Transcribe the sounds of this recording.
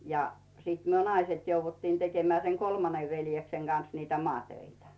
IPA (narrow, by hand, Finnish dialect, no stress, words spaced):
jɑ siːt myø nɑiset jouʋːutːiːn tekemeæˑ seŋ kolmɑneʋ ʋeljekseŋ ɡ̊ɑn̞s niːtæ mŏɑˑtøitæ